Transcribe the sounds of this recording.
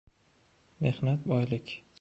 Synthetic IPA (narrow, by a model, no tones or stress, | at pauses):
me̞hnat̪̚bɒjlɪkʲ